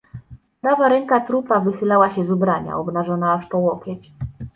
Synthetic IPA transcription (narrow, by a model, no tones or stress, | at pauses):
d̪avaɾɛŋkat̪ɾupavɘxɘlawaɕɛzubɾaɲa̰ɔbnaʐɔnaːʂpɔwɔkʲjɛt͡ɕ